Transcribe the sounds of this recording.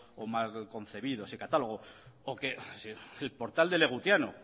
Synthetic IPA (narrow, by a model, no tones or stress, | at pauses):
omalko̞n̟θe̞βið̞osikat̪alo̞ɣ̞ookesielpo̞ɾt̪ald̪e̞le̞ɣ̞ut̪jano